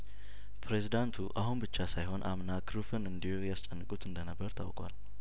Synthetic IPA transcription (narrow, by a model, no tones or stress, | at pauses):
pʰɾe̞zid̪ant̪ʰuʔahunbɨt͡ʃːasajɦo̞nʔamnakʰɾufɨnɨnd̪ihujast͡ʃʼənːɨkʼut̪ʰɨnd̪ənəbːəɾt̪ʰa̰wkʼwa̰l